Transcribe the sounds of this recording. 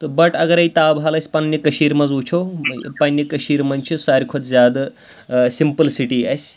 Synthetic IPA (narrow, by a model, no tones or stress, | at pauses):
t̪obɐʈɐɡəɾɐit̪awbʱalɐsʲpɐnːjikɐɕiːɾmɐd͡zut͡ʃʰopɐnːikɐɕiːɾmɐnʲt͡ɕʰisaɾʲkʰot͡s̪zʲad̪ | simpəlsiʈiɐ̰sʲ